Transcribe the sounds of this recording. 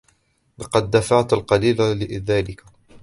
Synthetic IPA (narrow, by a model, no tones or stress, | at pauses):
lɑqɑd̪ːafaʕt̪alqɑliːlalɪʔðaːlɪka